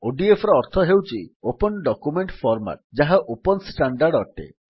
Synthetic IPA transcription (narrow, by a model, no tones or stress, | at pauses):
oɖiefʰɾeɔɾt̪ʰɔɦewt͡ʃiopɔnɖɔkumeɳʈfʰɔɾma̰ʈ̚d͡ʒaɦaʔopɔnsʈaɳɖaɾɖɔʈḛ